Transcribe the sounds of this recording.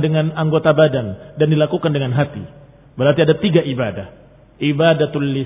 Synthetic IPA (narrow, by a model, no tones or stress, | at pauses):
dəŋanaŋɡot̪abadandandilakukandəŋanɦat̪ḭ | bəɾɦat̪iadat̪iɡaʔibadah | ibadat̪ullːi